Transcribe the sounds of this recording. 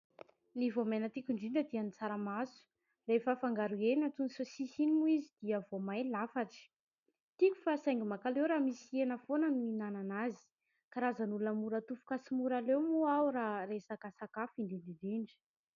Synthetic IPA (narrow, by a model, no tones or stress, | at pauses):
nivomenət̪ikʲuɳɖ͡ʐiɳɖ͡ʐəd̪ianit͡saɾamasu̥ | refəfaŋɡaɾuenat̪unisosisinimuizid̪̥iəvomajlafaʈ͡ʂi̥ | t̪iku̥fasajŋɡimakalewɾamisienəfonənuinananazi̥ | kaɾazənulunəmuɾət̪ufu̥kasimuɾalewmuawɾaɾesakasakafiɳdiɳɖ͡ʐiɖ͡ʐiɳɖ͡ʐi̥